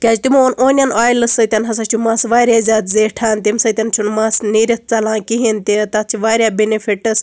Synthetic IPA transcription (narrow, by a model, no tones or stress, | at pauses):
kʲaːt͡ʃt̪imoːnʔoːnʲɐnaːjlɨsɐt̪ʲɐnɦɐs̬at͡ʃʰumaːsʋaːɾʲjaːzʲaːt̪zeːʈʰaːnt̪imsɐt̪ʲɐnt͡ʃʰunmaːsniːɾʲɐt̪̚t͡sɐlãːkiɦint̪it̪ɐt͡ʃʰiʋaːɾʲjaːbenefʰiʈɐs